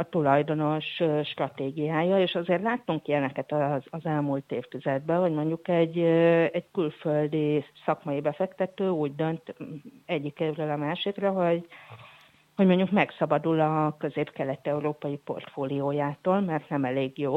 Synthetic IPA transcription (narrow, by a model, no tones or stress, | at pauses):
ɒt̪ulɒjd̪o̞no̞ʃøʃt̪rɒt̪eːɡijaːjɒeːʃɒzeːrt̪laːt̪ːuŋkiɛnɛkɛt̪ɒzːzɛlmuːlt̪eːft̪yzɛd̪̚bɛɦo̞ɟmo̞ɲɟukɛɟːɛckylføld̪isɒkmɒjibɛfɛkt̪ɛt̪øːuːɟd̪ønt̪ɛɟːikeːvrøːlɒmaːʃikrɛɦo̞ɟ | ho̞ɟmo̞ɲɟukmɛksɒbɒd̪ulɒkøzeːpkɛlɛt̪ɛuɾoːpɒjipo̞̰rt̪foːlioːjaːt̪oːlmɛrt̪nɛmɛleːɡjoː